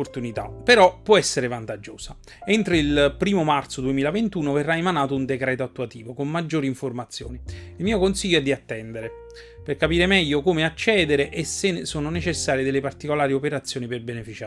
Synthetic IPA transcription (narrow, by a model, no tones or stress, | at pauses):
ort̪unit̪a̰peɾɔpːwɔɛsːeɾevant̪ad͡ʒːoːsa | ent̪ɾeilpɾiːmomart̪sod̪uemiːlavent̪uːnoverːaemanaːt̪ound̪ekɾɛːt̪oat̪ːuat̪iːvokomːad͡ʒːoːɾiɱformat̪sːjo̰ːniilmiːokonsiʎːoɛd̪ːiat̪ːɛnd̪eɾe | perkapiːɾemɛʎːokomeat͡ʃːɛːd̪eɾeʔesesoːnonet͡ʃesːaːɾjed̪elepart̪ikolaːɾiopeɾat̪sːjoːniperbenefit͡ʃaː